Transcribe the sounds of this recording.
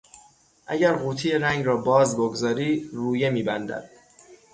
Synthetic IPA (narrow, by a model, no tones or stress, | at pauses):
ʔæɟæɾɣuːt̪ʰijeɾæŋɡɾɒːbɒːzboɡzɒːɾiːruːje̞miːbænd̪æ̰d̪̥